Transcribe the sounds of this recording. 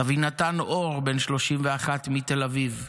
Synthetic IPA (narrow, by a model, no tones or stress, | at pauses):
avinat̪anʔoʁbe̞nʃlo̞ʃimveaχat̪mit̪e̞laviv